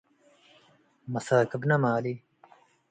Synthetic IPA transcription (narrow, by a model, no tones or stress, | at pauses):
mɐsaːkəbnɐmaːli